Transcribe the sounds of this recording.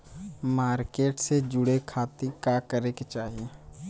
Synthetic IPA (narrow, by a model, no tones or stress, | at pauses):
maːɾkeːʈsed͡ʒʊɽekʰaːt̪ikakəɾeket͡ʃaːɦie